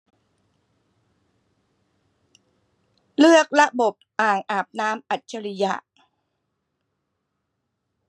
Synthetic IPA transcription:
lɯ˥˩ək̚ɾa˦˥bo˨˩p̚ʔaː˨˩ŋʔaː˨˩p̚naː˦˥mʔa˨˩t̪̚t͡ɕa˧ɾi˧ja̰˧ʔ

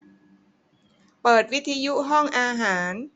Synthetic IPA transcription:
pɤː˨˩t̪̚wi˦˥t̪ʰːiː˧ju˦˥ʔɦɔ˥˩ŋʔaː˧ɦaː˩˦n

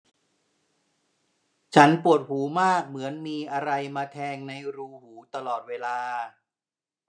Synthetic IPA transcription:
t͡ɕʰa˦˥npu˨˩ət̪̚huː˩˦maː˥˩k̚mɯ˩˦ənmiː˧ʔa˧ɾa˧jmaː˧t̪ʰɛː˧ŋna˧jɾuː˧huː˩˦t̪a˧lɔː˨˩t̪̚weː˧laː˧

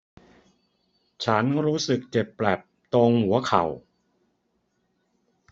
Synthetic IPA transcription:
t͡ɕʰa˦˥nɾuː˦˥sɯ˨˩k̚t͡ɕe˨˩pːlɛː˨˩p̚t̪o˧ŋhu˩˦ɐkʰa̰˨˩w

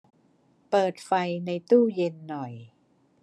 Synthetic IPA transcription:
pɤː˨˩t̪̚fa˧jna˧jt̪uː˥˩je˧nːɔ˨˩j

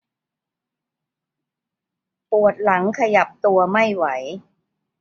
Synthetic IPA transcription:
pu˨˩ət̪̚la˩˦ŋkʰa˧ja˨˩p̚t̪u˧ɐma˥˩jwa˩˦j

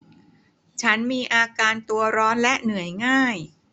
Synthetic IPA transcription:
t͡ɕʰa˦˥nmiː˧ʔaː˧kaː˧nt̪u˧ɐɾɔː˦˥nlɛ˦˥ʔnɯ˩˦əjŋaː˥˩j

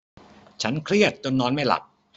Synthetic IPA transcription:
t͡ɕʰa˦˥nkʰɾi˥˩ət̪̚t͡ɕo˧nːɔː˧nma˥˩jla̰˨˩p̚

